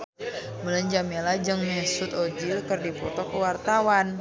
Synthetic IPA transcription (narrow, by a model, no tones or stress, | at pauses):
mələɲd͡ʒamelad͡ʒɨŋmɛsʊt̪od͡ʒilkərdipɔt̪ɔkəwart̪awan